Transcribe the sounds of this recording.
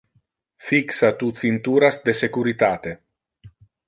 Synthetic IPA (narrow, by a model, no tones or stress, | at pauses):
fiksat̪ut̪sint̪uːɾasd̪esekuɾit̪aːt̪e